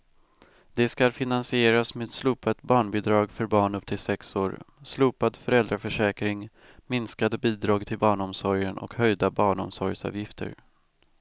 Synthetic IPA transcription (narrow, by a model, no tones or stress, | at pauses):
d̪ɛskalfɪnansɪeːɾasmeːɛd̪sluːpat̪bɑːɳbɪd̪ɾɑːɡfœɾbɑːɳɵpt̪ʰɪlsɛksoːɾ | sluːpad̪fœɾɛld̪ɾafœʂɛːkɾɪŋ | mɪnskad̪əbiːd̪ɾɑːɡt̪ʰɪlbɑːɳɔmsɔɾjənʔɔ̰khœjd̪abɑːɳɔ̰msɔɾjsɑ̰ːvjɪft̪ʰə̰ɾ